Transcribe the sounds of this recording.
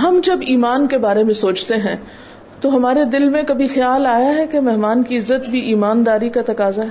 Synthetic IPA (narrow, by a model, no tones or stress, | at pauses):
ɦɐmd͡ʒɐbiːmaːnkebaːɾemẽsoːt͡ʃt̪eɦɛ̃ | t̪oɦɐmaːɾed̪ɪlmẽkɐbʱixjaːlaːjaɦɛkemɛɦmaːnkiɪzːət̪bʱiʔiːmaːnd̪aːɾikat̪ɐkaːzaɦ